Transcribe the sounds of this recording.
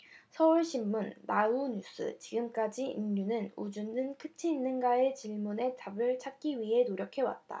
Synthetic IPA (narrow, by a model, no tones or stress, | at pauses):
sʰʌuɭɕʰimːunːauɲus͈ʰɯ̰t͡ɕiɡɯmk͈ad͡ʑiḭnɲunɯnud͡ʑunɯnkʰɯt͡ɕʰiːnːɯnɡaet͡ɕiɭmune̞t͡ɕabɯɭt͡ɕʰak̚k͈iɥiɦe̞noɾjʌkʰe̞wa̰t̚t͈a̰